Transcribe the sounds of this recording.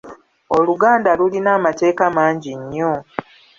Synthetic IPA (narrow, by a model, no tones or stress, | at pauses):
oluɡaːndalulinaːmate̞ːkamaːɲɟiɲːo̞